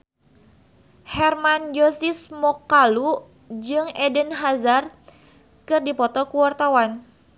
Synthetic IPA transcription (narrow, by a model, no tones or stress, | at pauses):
hɛrmand͡ʒosismɔkːalu | d͡ʒɨŋɛdənɦazart̪̚ | kɨrdipɔt̪ɔkuwart̪awan